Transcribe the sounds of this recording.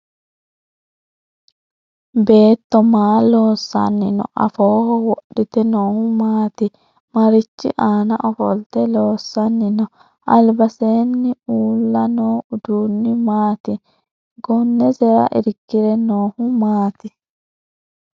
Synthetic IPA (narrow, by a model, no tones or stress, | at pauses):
be̞ːt̪ːɔmaːlo̞ːsːɐ̰nːɪnɔ̰ʔɐ̰foːhɔwɔɗːɪt̪ɛnoːhʊmaːt̪ɪ | mɐɾɪt͡ʃːɪʔaːnɐʔɔfɔlt̪ɛloːsːɐnːɪnɔ | ʔɐlbɐseːnːɪuːlːɐnoːʊd̪uːnːɪmaːt̪ɪ | ɡɔnːɛzɛɾɐ̰ʔɪ̰ɾɡːɪɾɛnoːhʊmaːt̪ɪ